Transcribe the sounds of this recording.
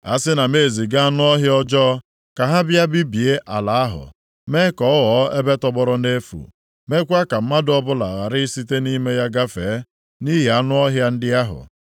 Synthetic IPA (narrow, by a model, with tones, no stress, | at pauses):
a̰˦sɪ˦na˨me˦˨zi˨ɡa˦a˦nʊ˦ɔ˦ɦjɔ˦d͡ʒɔː˦ | ka˨ɦa˦bja˦bi˦bi˨e˦ʔa̰˨la˨a˦ɦʊ̰˨ | me˦kɔ˨˦ɔ˦ɣɔ˨˦e˦be˦tɔ˦bɔ˦ɾʊ˦ne˦fṵ˨ | me˦kʷa˦ka˨m̩˦ma˦dɔ˦bʊ˦la˨ɣa˨ɾɪ˦i˦si˦te˦ni˦me˦ja˦ɡa˦fe˨˦ | ni˦ɦe˨a˦nʊ˦ɔ˦ɦja˦n̩˦dɪ˦a˦ɦʊ̰˨